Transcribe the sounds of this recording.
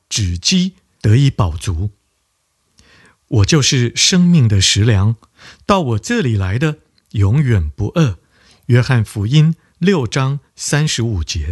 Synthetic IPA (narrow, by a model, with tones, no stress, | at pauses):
ʈ͡ʂɻ̩˨˩t͡ɕi˥ | t̪ɤ˧˥i˧˥pɑ˨˩ʊt͡su˧˥ | wɔ˨˩t͡ɕjo˥˧ʊʂɻ̩˥˩ʂɤ˥ŋmi˥˩ŋd̪ə˩ʂɻ̩˧˥ljɑ˧˥ŋ | t̪ɑ˥˩ʊwɔ˨˩ʈ͡ʂɤ˥˩li˨˩la˧˥ɪd̪ə˧ | jʊ˧˥ŋjɥɛ˨˩npu˧˥ʔə˥˩ | ɥɛ˥xa˥˩nfu˧˥i˥n | ljo˥˩ʊʈ͡ʂɑ˥ŋsa˥nʂɻ̩˧˥u˨˩t͡ɕjɛ˧˥